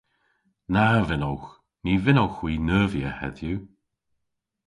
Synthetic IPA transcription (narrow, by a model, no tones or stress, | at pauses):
navɪnowx | niːvɪnowxwiːnəːvjəhɛ̰ðju